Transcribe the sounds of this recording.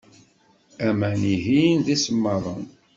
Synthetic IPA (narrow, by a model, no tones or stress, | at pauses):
æmæniɦinðisəmːəðˤən